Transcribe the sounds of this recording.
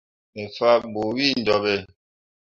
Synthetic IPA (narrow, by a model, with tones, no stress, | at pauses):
e˨fa˦bo˨wi˦˨n̩˨dɔ˨be˦˨